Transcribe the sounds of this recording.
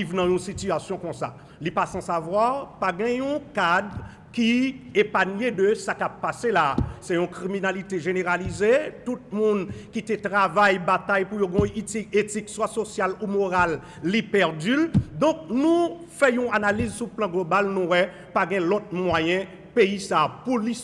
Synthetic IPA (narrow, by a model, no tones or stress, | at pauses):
ivnãjũsit̪yasjɔ̃kɔ̃sa̰ | lipasɑ̃savwaʁpaɡɛ̃jũkad̪ | kiepanɥedøsakapːaselasɛjũkʁiminalit̪eʒeneʁalizetut̪̚mũnkit̪etʁavajbat̪ajpujoɡɔ̃jit̪iet̪ikswasosjalumoʁalː | ipɛʁdyld̪ɔ̃k̚nũ | fɛjũanalizsuplɑ̃ɡlobalnũwɛ | paɡɛ̃lɔt̪̚mwajɛ̃ | peisaːpuli